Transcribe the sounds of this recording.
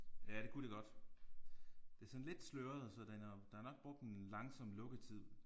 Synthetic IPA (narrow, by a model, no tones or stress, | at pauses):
jæɾ̥e̝kʰude̝ɡ̥ɒ̽d̥ | d̥e̝æɐsɒ̽nle̝d̥sløɐð̩ˠsɒ̽d̥enæd̥ɑ̈æɐnɒ̽ɡ̥̚b̥ʁɔ̽ɡ̥̚d̥lɑ̈ŋsɒ̽m̰lɔ̽ɡ̥ət͡sʰið̞̰ˠ